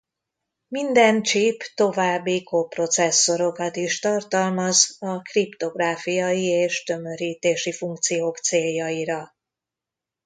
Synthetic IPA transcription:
mind̪ɛnt͡ʃiːpt̪o̞vaːbːikopro̞t̪sɛsːo̞ɾo̞kɒt̪iʃt̪ɒrt̪ɒlmɒzɒkript̪o̞ɡraːfijɒjieːʃt̪ø̞mø̞ɾiːt̪eːʃifuŋk̚t̪sijoːkt̪seːjːɒiɾɒ

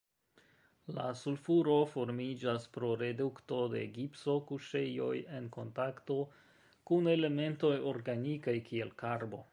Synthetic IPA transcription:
la̰sulfuɾo̞fo̞ɾmid͡ʒaspɾo̞ɾe̞dukto̞de̞̰ɡipso̞kuʃe̞jo̞̰je̞nko̞ntakto̞ | kune̞le̞me̞nto̞jo̞ɾɡanikajkie̞lkaɾbo̞̰

